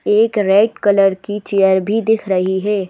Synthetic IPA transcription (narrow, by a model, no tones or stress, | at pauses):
eːkɾɛːʈkɐləɾkit͡ʃejəɾbʱid̪ɪkʰɾɐɦiɦɛː